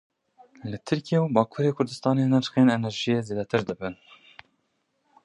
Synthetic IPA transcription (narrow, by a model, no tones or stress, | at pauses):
lɨt̪ʰɨɾkijewubɑːkʰuːɾeːkʰʊɾd̪ɨst̪ɑːneːnɛɾt͡ʃxeːnɛnɛɾʒijeːzeːd̪ɛt̪ʰɨɾd̪ɨbɨn